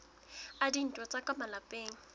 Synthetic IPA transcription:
adin̩tʼɔt͡sʼakʼamalapʼeːŋ̩

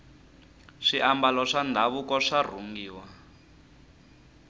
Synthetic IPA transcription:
ʂiʔambalɔʂandʱaβukɔʂar̤uŋɡiːwa

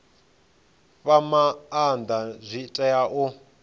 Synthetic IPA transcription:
βamaːnd̪azʷitʼɛjaʔu

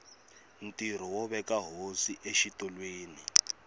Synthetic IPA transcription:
n̩tiɾ̤ɔwɔβɛkaɦosiʔeʃitɔlweːni

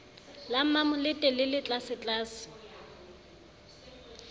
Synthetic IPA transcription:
lam̩mamʊlɪtʼɛlɪlɪt͡ɬʼasɪt͡ɬʼaːsɪ̥

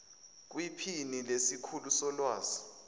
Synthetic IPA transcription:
k̬wipʰinilesikʰulusɔlwaːzi

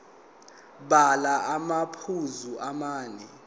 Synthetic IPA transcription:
ɓalaʔamapʰuzuʔamaːnɛ

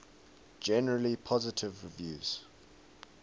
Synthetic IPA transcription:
d͡ʒɛnəɹəlipʰɔzɪtʰɪvɹivjṵːz̥

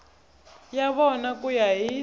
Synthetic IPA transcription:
jaβɔnakujaɦi

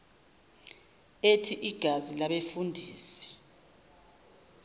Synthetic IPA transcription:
etʰiʔiɡ̥ʱazilaɓefundʱiːsɛ̥

